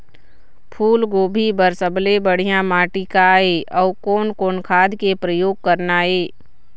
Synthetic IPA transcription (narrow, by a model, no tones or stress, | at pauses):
pʰuːlɡoːbʱibəɾsəblebəɽ̤ijãmaːʈikaeːɔːkoːnkoːnkʰaːd̪ʱkepɾəjoːɡ̚kəɾnaːeː